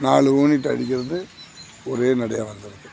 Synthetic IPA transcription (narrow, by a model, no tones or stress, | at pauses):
naːɭɯoːnɪʈ̬ːɐ̰ɽɪkʲːɪɾɐðɯ | ɔɾeːnɐɽɐjaːʋɐnd̪ɪɾɯkːɐm